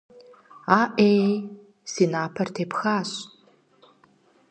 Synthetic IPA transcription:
aːʔe | sinaːpʰɐrtʰeːpʰxaːɕ

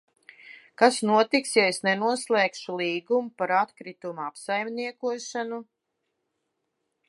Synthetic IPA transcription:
kasnuɔt̪iksjaesnɛnuɔslˠɛːkʃulˠiːɡumupaɾat̪kɾit̪umuapsajmniɛkuɔʃanu

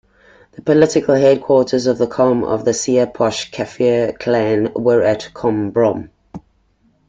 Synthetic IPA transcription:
ðəpʰəlɪtɪkəlˠɦɛd̚kʰw̥ɔːˑtʰəzəvðəkʰɔmə̰vðəsiəpʰɔʃkʰafiəkʰlæ̃nwəɹətkʰɔ̃mbɹɔ̃m

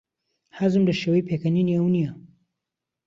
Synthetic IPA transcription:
hazɨmdɐʃewejpʰekɐniniɐwnijɐ

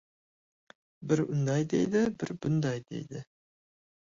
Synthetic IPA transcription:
bɪɾʊnd̪ɑjd̪ḛjd̪ɪbɪɾbʊnd̪ɑjd̪ḛjd̪ɪ

